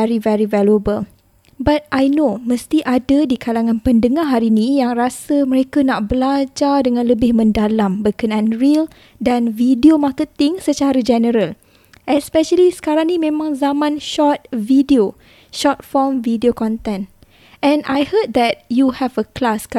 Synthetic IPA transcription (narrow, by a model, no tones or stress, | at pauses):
ɛɾivɛɹivɛləbəl | bat̪̚ʔajnoməst̪iʔadadikʰalaŋãnpəndəŋaɦaɾinĩjaŋrasəmə̃ɾekanaʔbəlad͡ʒadəŋãnləbɪhmə̃ndalambəkənãnɹil | danvidiomakət̪ɪŋsət͡ʃaɾad͡ʒɛnəɾəl | ʔɛspɛʃəlisə̥kaɾãŋnĩmẽmãŋzamãnʃɔt̪̚vidio | ʃɔt̪̚fɔmvidiokɔ̃nt̪ɛ̃n | ɛ̃najhət̪̚d̪ɛt̚juhɛvəklask